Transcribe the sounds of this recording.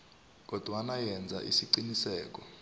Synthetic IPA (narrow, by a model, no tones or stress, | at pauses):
k̬ɔd̥ʱwanajɛnd͡zʱa̰ʔḭsiǀinisɛːk̬ɔ